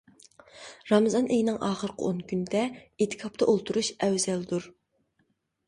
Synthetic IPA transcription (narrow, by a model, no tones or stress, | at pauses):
ɾɑmɨzɑnʔejnɪŋʔɑːχəɾqʰə̰onkʲʰynd̪ɛet̪ʰɪ̥kʰɑp̚t̪ʰɑʔolˠt̪ʰuɾuʃɛwzɛld̪uɾ